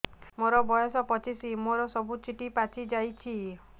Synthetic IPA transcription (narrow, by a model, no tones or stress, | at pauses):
moɾɔbɔjɔsɔpɔt͡ʃisimoɾɔsɔbut͡ʃiʈipat͡ʃʰid͡ʒajt͡ʃʰi